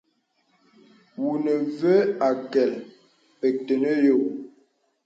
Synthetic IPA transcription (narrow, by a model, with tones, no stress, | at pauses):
wu˨nə˨və˦a˨kɛ˨l | e˨tə˨nə˦jo˦˨